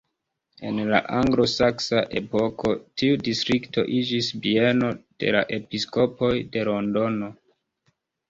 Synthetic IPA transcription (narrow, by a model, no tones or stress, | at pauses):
e̞nla̰ʔaŋɡlo̞saksaʔe̞po̞ko̞tiudistɾikto̞̰ʔid͡ʒisbie̞no̞d̥e̞̰la̰ʔe̞pisko̞po̞jde̞lo̞ndo̞no̞